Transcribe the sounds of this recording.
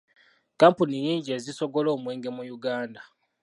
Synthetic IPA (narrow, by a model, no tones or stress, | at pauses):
kaːmpunijiːɲɟie̞ːziso̞ɡo̞lo̞ːmwe̞ːŋɡe̞mujuɡaːnda